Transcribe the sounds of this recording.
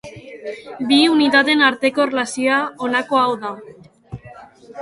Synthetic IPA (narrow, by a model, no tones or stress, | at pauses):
biuniðaðe̞naɾt̪e̞ko̞erelasioaonako̞awða